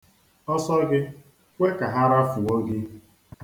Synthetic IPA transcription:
ɔ˦sɔ˦ɡɪ˦ | kʷe˦ka˨ɦa˦ɾa˦fu˨o˦ɡɪ˦

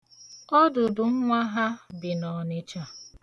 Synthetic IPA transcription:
ɔ˦dʊ˨dʊ˨ŋ̩˦ŋʷa˦ɦa˦bɪ˨nɔ˨nɪ˦t͡ʃa˦

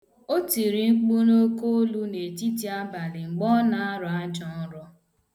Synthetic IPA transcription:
o˦ti˨ɾi˨ŋ͡m̩˦k͡pu˦no˦ko˦lu˦ne˨ti˦ti˦a˦ba˨lɪ˨ŋ͡m̩˨ɡ͡bɔ˦na˦a˦ɾɔ˨a˦d͡ʒɔ˨n˦ɾɔ˦

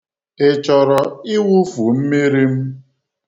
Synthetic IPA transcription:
ɪ˨t͡ʃɔ˨ɾɔ˨i˦wu˦fu˨m̩˦mi˦ɾi˦m̩˦

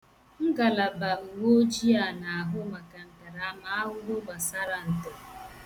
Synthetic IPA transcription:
ŋ̩˦ɡa˨la˨ba˨ŋ̩˨ŋʷo˦d͡ʒi˦a˨na˨a˨ɦʊ˦ma˨ka˨n̩˨ta˨ɾa˨˦a˦ma˨a˦ɦʊ˦ɦʊ˦ma˨sa˦ɾa˨n̩˨tʊ˨

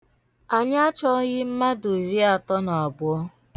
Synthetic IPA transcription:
a˨ɲa˦t͡ʃɔ˦ɣɪ˦m̩˦ma˦dʊ˨i˨ɾi˦a˨tɔ˦nɔ˨ɔ˨bʊ˨˦ɔ˦

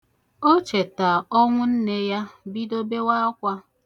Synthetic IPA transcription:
o˦t͡ʃe˨ta˨ɔ˦ŋʷʊ˦n̩˦ne˦ja˦bi˦do˦be˦wa˦a˦kʷa˦

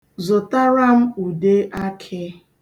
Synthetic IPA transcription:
zʊ˨ta˦ɾa˦m̩˦u˨de˦ʔa˦kʰɪ˦

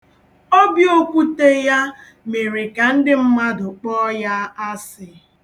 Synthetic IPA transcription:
o˦bjo˦kʷu˦te˦ja˦ | me˨ɾe˨ka˨n̩˦dɪ˦m̩˦ma˦dʊ˨k͡pɔ˦ja˦a˦sɪ˨

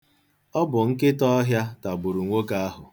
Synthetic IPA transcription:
ɔ˦bʊ˨ŋ̩˦kɪ˦tɔ˦ɦja˦ta˨bu˨ɾu˨ŋʷo˦ka˦a˦ɦʊ˨

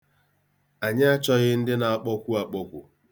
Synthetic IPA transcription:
a˨ɲɪ˦a˦t͡ʃɔ˦ɣɪ˦n̩˦dɪ˦na˨a˦k͡pɔ˦kʷu˦a˨k͡pɔ˦kʷʊ˨

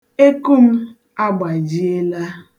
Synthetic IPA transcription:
e˦ku˦m̩˦ | a˦ɡ͡ba˨d͡ʒi˦e˦la˦

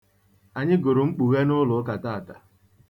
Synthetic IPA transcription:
a˨ɲɪ˦ɡʊ˨ɾʊ˨ŋ͡m̩˦k͡pu˨ɣe˦nʊ˦lʊ˨˦ka˨ta˦˨a˨ta̰˨

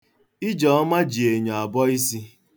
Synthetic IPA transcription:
i˦d͡ʒɔ˨ɔ˦ma˦d͡ʒi˨e˨ɲɔ˨a˨bɔ˦i˦si˦

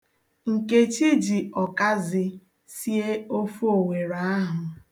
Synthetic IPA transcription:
ŋ̩˨ke˦t͡ʃi˦d͡ʒi˨ɔ˨ka˦zɪ˦ | si˦e˦o˦fu˦o˨we˨ɾa˨˦a˦ɦʊ˨

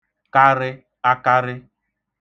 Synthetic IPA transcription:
ka˦ɾɪ˦ | a˦ka˦ɾɪ˦

